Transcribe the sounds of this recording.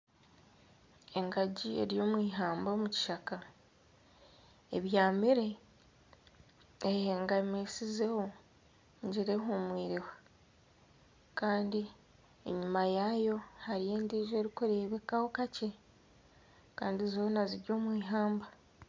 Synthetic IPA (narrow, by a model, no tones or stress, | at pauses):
e̞ŋɡaɟie̞̰ɾjo̞ːmwiːɦaːmbo̞muci̥ʃaka | e̞̰βjaːmiɾe̞ | ejeːŋɡamesize̞ho̞ | ɲɟiɾe̞ɦomwiːɾiwa | kaːndi | ḛɲumajajo̞haɾije̞ːndiːʒoɾikuɾe̞βe̞kaho̞kace̞ | kaːndizo̞ːnaziɾɟo̞ːmwiːɦaːmba